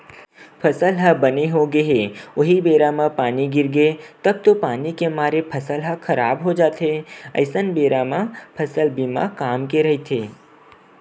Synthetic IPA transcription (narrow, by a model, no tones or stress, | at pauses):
pʰɐsəlɦɐbəneɦoɡəɦeoɦibeːɾamãpaːniɡɪɾɡet̪ɐb̚t̪opaːnikemaːɾepʰəsəlɦɐkʰɐɾa̰ːbɦod͡ʒaːt̪ɦeə̰ɪsənbeːɾamãpʰɐsəlbimã̰kaːmkeɾɐɦit̪ʰeː